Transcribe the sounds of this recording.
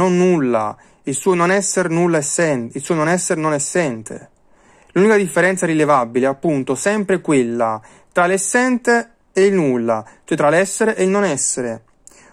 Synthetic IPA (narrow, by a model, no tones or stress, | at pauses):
onːulːa̰ | ilsuːononɛsːeɾnulːaesːɛnilsuːononɛsːeɾnonɛsːɛnt̪ʰḛ | lunikad̪ifːeɾɛnt̪saɾilevabilɛapːunt̪osɛmpɾekwelːa | t̪ɾalɛsːɛnt̪eː | ilnulːat͡ʃoɛt̪ɾalɛsːeɾeʔeilnonɛsːeɾe